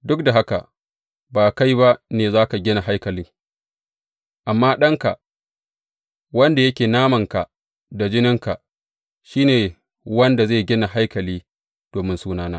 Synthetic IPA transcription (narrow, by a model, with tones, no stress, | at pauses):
dʊ˦k̚da˨ɦa˦ka̰˨ | baː˨ka˦jba˦ʔneː˨zaː˦ka˨ɡʲɪ˦na˨ɦa˦jkɐ˨lɪ˦ | ʔa˨mːaː˦ɗɐ˦ŋka˨ʔ | wɐ˦nda˨jɐ˦kʲeː˨naː˦mɐ˨ŋka˨ | da˨d͡ʒɪ˦nɪ˦ŋka˨ | ʃiː˦neː˨ | wɐ˦nda˨zeː˦˨ɡʲɪ˦na˨ɦa˦jkɐ˨liː˦ | d̥oː˨mɪ˦nsuː˦naː˦naː˦